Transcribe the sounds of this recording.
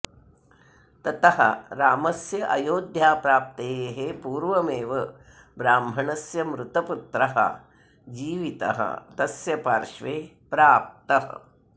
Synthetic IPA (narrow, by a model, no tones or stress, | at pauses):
t̪ɐt̪ɐɦɐ̰ɾaːmɐsjɐʔɐjoːd̪ʱjaːpɾaːp̚t̪eːeɦepuːɾʋɐmeːʋɐ | bɾaːmbʱɐɳɐsjɐmɾut̪ɐput̪ɾɐɦɐ̰ | d͡ʒiːʋit̪ɐ̰ɦɐ̰t̪ɐsjɐpaːɾʃʋeː | pɾaːp̚t̪ɐɦɐ̰